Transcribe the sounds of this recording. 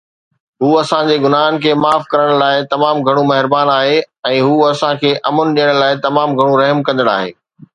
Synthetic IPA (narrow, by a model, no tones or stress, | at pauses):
ɦuːɐsãd͡ʑeːɡʊnaːnkʰeːmaːfkɐɾəɽ̃laːɪt̪ɐmaːmɡʱɐɽ̃ũmɐɦɪɾbaːnaːɦeɛ̃ːɦuːɐsãkʰeːʔɐmənɗijəɽ̃laːɪt̪ɐmaːmɡʱɐɽ̃ũɾɐɦmkɐ̃nd̪əɽa̰ːɦḛː